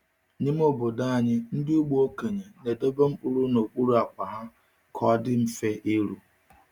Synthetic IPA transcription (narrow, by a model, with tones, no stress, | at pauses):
ɲɪ˦m˦ʊ˦bʊ˨da˦a˨ɲɪ˦n̩˦dɪ˦u˦ɡ͡bo˦ke˨ɲe˨ne˨de˦be˦m̩˦k͡pʊ˦ɾu˦no˨k͡pu˦ɾu˦a˨kʷa˨ɦa˦ | kʰɔ˨˦dɪ˦m̩˦fe˦ʔe˦ɾṵ˨